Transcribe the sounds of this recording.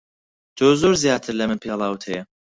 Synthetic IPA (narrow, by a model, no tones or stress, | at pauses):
d̪oːzoɾzjaːt̪ʰɨɾlɐmɨnpʰeːlˠɑːwt̪ʰhɛjɛ